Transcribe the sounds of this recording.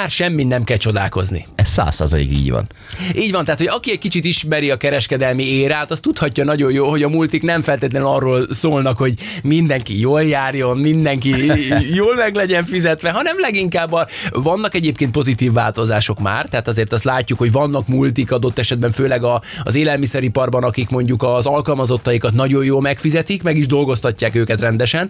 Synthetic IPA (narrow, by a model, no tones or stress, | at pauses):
maːrʃɛmːinnɛmkɛlt͡ʃo̞d̪a̰ːlko̞̰znḭɛssa̰ːsːa̰ːzɒ̰lḭkḭːɟʋɒ̰n | iːɟvɒnt̪aːt̪ho̞ɟɒkiɛc̚kit͡ʃit̪iʃmɛɾiɒkɛɾɛʃkɛd̪ɛlmieːɾaːt̪ɒst̪ut̪hɒcːɒnɒɟo̞joːlho̞ɟɒmult̪iknɛɱfɛlt̪eːt̪ɛnɛlɒrːoːlsoːlnɒkho̞ɟ | mind̪ɛŋkijoːljaːrjo̞nmind̪ɛŋkijoːlmɛɡlɛɟɛɱfizɛt̪ʋɛɦɒnɛmlɛɡiŋkaːbːɒvɒnːɒkɛɟeːp̚keːnt̪po̞zit̪iːvːaːlt̪o̞zaːʃo̞kma̰ːrt̪ɛɦaːt̪ɒzeːrt̪ɒst̪laːcːukhoɟvɒnːɒkmult̪ikɒd̪o̞t̪ːɛʃɛd̪̚bɛɱføːlɛɡɒ̰zeːlɛlmisɛɾipɒrbɒnɒkikmo̞ɲɟukɒzɒlkɒlmɒzo̞t̪ːɒjikɒt̪nɒɟo̞joːlmɛkfizɛt̪ikmɛɡiʒd̪o̞lɡo̞st̪ɒcːaːkøːkɛt̪rɛnd̪ɛʃɛn